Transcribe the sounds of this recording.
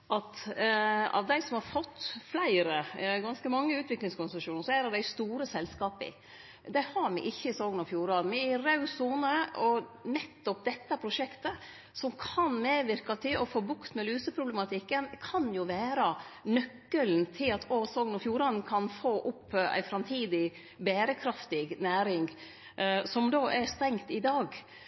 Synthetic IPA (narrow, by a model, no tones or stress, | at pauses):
ʔɑt̪ | ɑ̰ʋd̪æɪsɔmhɑɾfɔt̪ːflæɪɾəɡɑnskəmɑŋːəʉːt̪ʋɪklɪŋskʊnsəʂuːnəɾʂɔæɾɛd̪æɪst̪uːɾəsɛlskɑːpɪ̰ | d̪æhɑɾmɪ̰ʔɪçːəsoːɡənɔfjuːɾɑd̪nmɛɪɾɑʉsuːnəɔnɛt̪ːɔp̚d̪ɛt̪ːəpʰɾʊʂɛkt̪ə | sɔmkʰɑnmeːʋɪɾkɑt̪ʰɪlʔɔfoːbʊkt̪mɛlʉːsəpʰɾʊblɛmɑt̪ʰɪkːənkʰɑnjʊʋæːɾɑnœkːəlnt̪ʰɪlɑt̪ʰosoːɡnɔfjuːɾɑnn̩kʰɑnfoːʔʊpːæ̰ɪfɾɑmt̪ʰiːd̪ɪ | beːɾəkʰɾɑft̪ɪɡnæːɾɪŋ | sɔmd̪oːʔæɾst̪ɛŋt̪ɪd̪ɑːɡ